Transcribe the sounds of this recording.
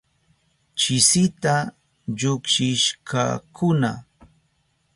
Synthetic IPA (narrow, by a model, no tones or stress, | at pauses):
t͡ʃɪsɪt̪a | ʎʊkʃɪʃkʰa̰kʊna̰